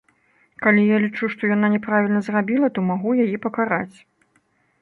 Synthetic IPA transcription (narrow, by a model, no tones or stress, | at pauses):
kalʲijalʲit͡ʂuʂt̪ɔjananʲɛpɾavʲilʲnɐzrabʲilˠɐt̪ɔmaɣujajipɐkaɾat͡sʲ